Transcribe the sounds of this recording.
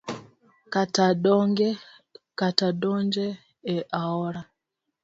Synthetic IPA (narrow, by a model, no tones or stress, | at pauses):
kataɗɔŋɡɛ | katadɔɲd͡ʒɛ | ɛʔaɔɾa